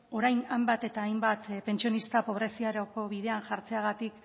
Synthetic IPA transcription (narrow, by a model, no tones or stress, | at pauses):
o̞ɾajnambat̪e̞t̪aːjmbat̪pe̞nt͡sionist̪apo̞β̞ɾe̞siaɾoko̞βiðe̞anʝaɾt͡se̞aɣ̞at̪ik